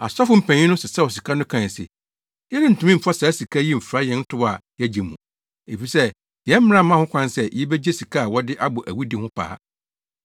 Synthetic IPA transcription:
a˨sɔ˦fʊ˦m̩˨pʰæ̃˨ɲ˦ĩ˦nʊ̃˦sɪ˨sɛ˦˨wɔ˨si˨kʰa˦nʊ̃˦kʰã˨sɪ̰˨ | jɛ˦ɾɪ˦n̩˨tʰũ˨mĩ˦m̩˨fa˦sa˨˦si˨kʰa˦ji˦m̩˨fɾa˦jɛ̃˨˦n̩˦tʰʊ˦ba˨jɛ˦d͡ʑe˨mṵ̃˨ | e˨fi˨sɛ˦ | jɛ˦m̩˦m̃˦ã˦mã˦hʊ̃˦kʷʰã˦nsɛ˦jɛ˦be˦d͡ʑe˦si˨kʰa˦a˨wɔ˦dɪ˦ʔa˦bʊ˨ʔæ˨wi˦dɪ˨hʊ̃˦pʰa̰ː˦

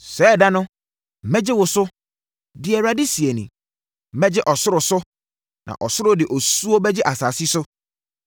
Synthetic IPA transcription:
sɛː˨˦˨da˦nʊ̃˦˨ | mɛ̃˦d͡ʑɪ˦wʊ˨sʊ˦ | dɪ˨ɛ˨ɾa˨dɪ˦si˨e˨nḭ̃˨ | mɛ̃˦d͡ʑɪ˦ʔɔ˨sʊ˦ɾʊ˨sʊ˦ | nʔã̰˨ʔɔ˨sʊ˦ɾʊ˦dɪ˨ʔo˨su˦o˦bɛ˦d͡ʑɪ˦ʔa˨saː˨si˦sʊ˦

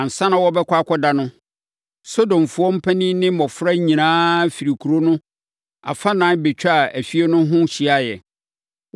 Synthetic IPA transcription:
a˨n̩˨sã˦nã˨wɔ˦bɛ˦kʷa˦kʰɔ˦da˦nʊ̃˦ | so˦dõ˨m˨fu˨ɔ˦m̩˦pʰæ˦nĩ˦nɪ̃˦mɔ̃˨fɾa˦ɲĩ˨nãː˦fi˨ɾi˨kʰu˨ɾo˦nʊ̃˦ | a̰˨fa˦nãː˨˦be˨t͡ɕᶣa˨æ˨fi˦e˦nʊ̃˦ɦʊ̃˦ɕi˨a˦˨jɛ̰˨

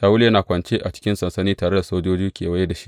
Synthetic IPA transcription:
taː˦wʊ˦ljɐ˦naː˨kʷɐ˨nt͡ʃeː˦ʔa˨t͡ʃɪ̥˦kʲɪ˦nsɐ˨nsɐ˦niː˦taː˨ɽe˦da˨soː˦d͡ʒoː˦d͡ʒiː˦kʲʰeː˨wɐ˦je˦da˨ʃi̥˦ʔ

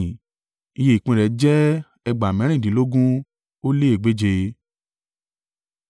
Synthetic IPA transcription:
i˧je˧i˨k͡pĩ˧ɾɛ˨˦d͡ʒɛ˦ | ɛ˧ɡ͡ba˨mɛ̃˨˦ɾ̃ĩ˦˨dĩ˨˦lo˦ɡũ˦ | o˦le˦e˦˨ɡ͡be˨˦d͡ʒe˧

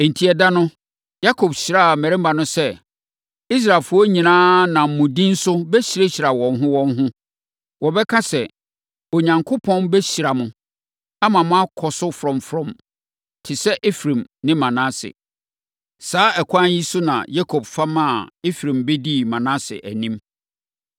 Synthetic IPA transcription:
n̩˨tʰi˨ɛ˨da˦nʊ̃˦ | ja˦kʰo˨bɕi˨ɾa˦˨mæ˨ɾɪ̃˦m˦ba˨nʊ̃˦sɛ˦ | i˦s̬ɾa˨lfʊ˨˦ɔ˦ɲĩ˨nãː˦nã˨m̩˨mʊ̃˨dĩ˦n̩˦sʊ˦bɛ˦ɕi˨ɾe˦ɕi˨ɾa˨wɔ̃˨nɦʊ̃˦wɔ̃˦nɦʊ̃˦ | wɔ˨bɛ˦kʰã˦sɛ˨ | o˨ɲã˨ŋkʰʊ˦pʰɔ̃˦nbɛ˦ɕi˨ɾa˨mʊ̃˨ | a˦mã˨mʊ̃˦a˦kʰɔ˨sʊ˦fɾɔ̃˨mfɾɔ̃˨m | tʰɪ˨sɛ˦ʔe˦fɾẽ˨mnɪ̃˦mã˨nã˦sɪ̰˨ | saː˨˦ɛ˨kʰʷã˦n˦ji˦sʊ˦nã̰˨ja˦kʰo˨b̥fa˦mã˦˨e˦fɾĩ˨mbe˦di˦˨mã˨nã˦sɪ̰˨ʔæ˨nĩ˦m

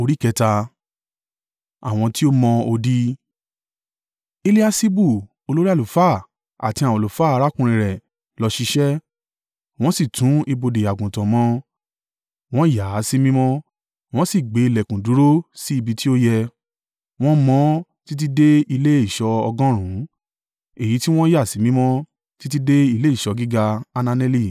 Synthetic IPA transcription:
o˧ɾi˦˨kɛ˧ta˧ | a̰˨w̃ɔ̃˧ti˦o˦mɔ̃˧o˧di˦ | e˧li˦a˧si˦bu˦˨ | o˧lo˦ɾi˦a˦˨u˨fa˦˨ | a̰˨tĩ˧˦ã˨ɔ̃˨lo˨faː˦a˧˦ɾa˦kũ˧ɾ̃ĩ˧ɾɛ˨ | lɔ˧ʃi˧ʃɛ˦ | w̃ɔ̃˦si˦˨tũ˨˦i˧bo˧de˨a˨ɡũ˨tã˨mɔ̃˧˦ | w̃ɔ̃˦ja˨˦si˦mĩ˦mɔ̃˦ | w̃ɔ̃˦si˦˨ɡ͡be˨˦i˧lɛ˨kũ˨du˨˦ɾo˦si˦i˧bi˧ti˦o˦jɛ˧ | w̃ɔ̃˦mɔ̃˦ti˦t̬i˦de˦i˧le˦i˦˨ʃɔ˧ɔ˧ɡɔ̃˦ɾ̃ũ˨˦ | e˨ji˨˦ti˦w̃ɔ̃˦ja˦˨si˨˦mĩ˦mɔ̃˦ | ti˦t̬i˦de˦i˧le˦i˦˨ʃɔ˧ɡi˦ɡa˧a˧nã˧nɛ˧li˦˨

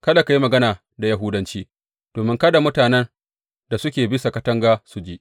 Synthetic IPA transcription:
kɐ˦ɗa˨ka˨ji˦mɐ˨ɡɐ˦naː˨ | da˨ja˦ɦʊ˦dɐ˦nt͡ʃiː˦ | d̥oː˨mɪ˦ŋkɐ˦da˨mʊ˦taː˨nɛ˦n | da˨sʊ˦kʲeː˨bɪ˦sa˨kɐ˦tɐ˦ŋɡaː˦su˨d͡ʒiː˦ʔ

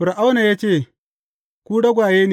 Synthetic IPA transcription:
ɸʊ˨ɾʔa˦wna˨jaː˦t͡ʃeː˦˨ | kʷuː˦ɽɐ˦ɡʷaː˨jeː˦ne˨

